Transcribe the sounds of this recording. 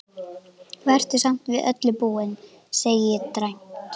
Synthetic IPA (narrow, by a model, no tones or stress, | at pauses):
vɛr̥t̪ɪsam̥t̪vɪðʔœ̰t̪lɪpuːwɪn | seːjɪjɛt̪ɾajm̥t̪